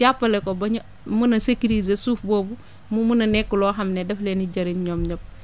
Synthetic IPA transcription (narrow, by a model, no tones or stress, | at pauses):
t͡ʃapːɐlɛkɔbɐɲ | munɐsekiɾizesuːfboːbu | mumunɐnɛkːulɔːɦɐmnedɐfleːniɟɐɾimɲɔːmɲop̚